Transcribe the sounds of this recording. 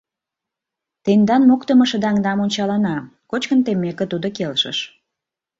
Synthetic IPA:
t̪end̪ɑnmukt̪əməʃə̆d̪ɑɑŋd̪ɑmonʲt͡ɕɑlɑnɑkot͡ɕkənt̪emːekə̆t̪ud̪okelʃə̰ʃ

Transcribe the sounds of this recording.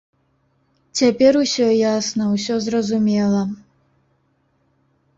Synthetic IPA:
t͡sʲapʲɛɾusʲɔjasnɐws̬ʲɔzrɐzumʲɛlˠɐ

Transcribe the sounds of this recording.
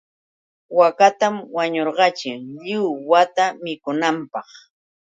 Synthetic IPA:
wakat̪amwaɲoɾɢɑt͡ʃɪŋʎɪwwat̪amɪkʊnampɑχ

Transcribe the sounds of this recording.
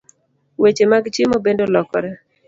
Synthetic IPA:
wet͡ʃemaɡt͡ʃɪmobendolɔkɔɾɛ

